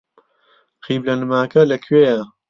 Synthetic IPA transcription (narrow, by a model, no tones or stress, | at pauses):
xiːblɐnmaːkɐlɐkʰɥeːɐ